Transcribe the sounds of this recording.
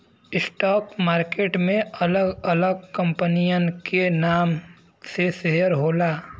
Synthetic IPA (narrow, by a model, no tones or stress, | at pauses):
ɪsʈɔːkmaːɾkeːʈmẽɐləɡɐləɡ̚kɐ̃mpənijənkenaːm | seseɦəɾɦoːlaː